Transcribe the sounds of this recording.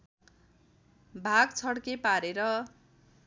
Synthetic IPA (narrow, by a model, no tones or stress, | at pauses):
bʱaɡt͡sʰʌɽkepaɾeɾʌ